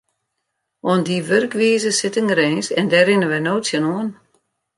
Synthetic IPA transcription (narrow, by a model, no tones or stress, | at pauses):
ondiʋørkʋiːəzəsɪtəŋəɾeːnsɛndɛrɪnəʋɛnoːtsjənoən